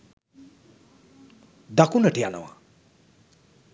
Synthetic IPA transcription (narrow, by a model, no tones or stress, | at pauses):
d̪akunəʈiana̰wa̰